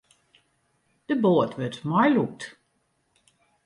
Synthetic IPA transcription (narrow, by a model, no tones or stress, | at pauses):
d̥əboːətʋøtmɔjluk̚t